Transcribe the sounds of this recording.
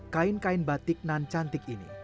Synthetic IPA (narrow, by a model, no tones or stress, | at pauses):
kaɪnkaɪnbat̪ɪk̚nant͡ʃant̪ɪkinḭ